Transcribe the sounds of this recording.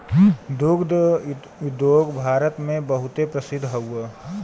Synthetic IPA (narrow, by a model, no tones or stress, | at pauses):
d̪ʊɡd̪ | ʊd̪joːɡbʱaːɾət̪mẽbəɦʊt̪epɾəsɪd̪ʱɦɐuə